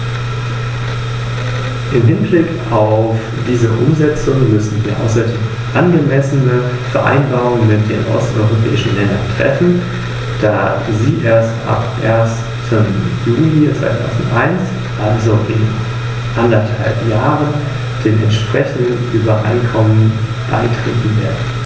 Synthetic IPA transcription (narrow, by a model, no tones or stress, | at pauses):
ʔɪmɦɪnblɪk | aʊf | d̥iːzəʔʊmzɛt͡sʊŋmʏsn̩viːɐʔa̰ʊsɐdeːm | ʔanɡəmɛsənə | fɛɐʔa̰ɪnbaːʁʊŋənmɪtd̥ḛːnʔɔ̰stʔɔ̰ʏʁopʰɛ̰ːɪʃn̩lɛndɐ̰ntʁ̥ɛ̰fn̩ | d̥a̰ː | ziːʔeːɐstʔa̰pʔeːɐstʰ | əmjuːlit͡sv̥a̰ɪtʰa̰ʊzn̩tʔaɪnt͡s | ʔalzoʔɪn | ʔandɐtha̰lpjaːʁən | d̥eːmʔɛ̰ntʃpʁ̥ɛçn̩dən̩ʔyːbɐʔa̰ɪnkʰɔmən | b̥a̰ɪtʁ̥eːtn̩veːɐdn̩